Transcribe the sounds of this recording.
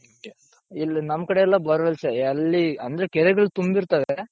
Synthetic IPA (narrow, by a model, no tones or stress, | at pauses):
ilːɐnɐmːkɐɽeɛlːabɐɾɐʋɐlseɐlːiɐnd̪ɾekɛɾɛɡɐɭt̪umbiɾt̪ɐʋe